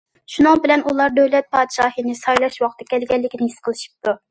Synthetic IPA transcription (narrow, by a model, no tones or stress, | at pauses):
ʃunɨŋbɪlɛnulˠɑɾd̪øwlɛt̪̚pʰɑd̪ʃɑːhɨnɪsɑjlˠɑʃwɑχt̪ʰɨ̥kʲʰɛlɡʲɛlːɪkʲnɪhisqʰəlˠɨʃi̥p̚t̪u